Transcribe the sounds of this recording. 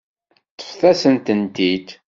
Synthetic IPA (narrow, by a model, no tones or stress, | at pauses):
θə̥fθæsənt̪ənt̪id̪